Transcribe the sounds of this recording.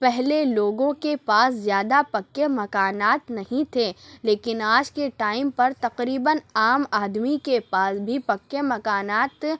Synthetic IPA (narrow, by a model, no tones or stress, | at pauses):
pɛɦleloːɡõkepaːszjaːd̪apɐkːemɐkaːnaːt̪nɐɦĩt̪ʰeleːkɪnaːd͡ʒkeʈaːɪmpɐɾt̪ɐqɾiːbənaːmaːd̪mikepaːsbʱipɐkːemɐkaːnaːt̪